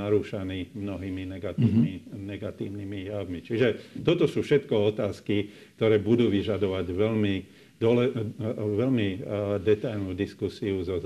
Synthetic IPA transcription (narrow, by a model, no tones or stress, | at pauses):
aɾuːʃaniːmnɔɦiːminɛɡat̪iinɛɡat̪iːʊnimijaʋmit͡ʃiʒɛt̪ɔt̪ɔsuːfʃɛt̪kɔɔt̪aːski | k̚t̪ɔɾɛːbud̪uːʋiʒad̪ɔʋaɟʋɛlmi | d̪ɔlɛʋɛlmid̪ɛt̪ajlnuːd̪iskusiuzɔz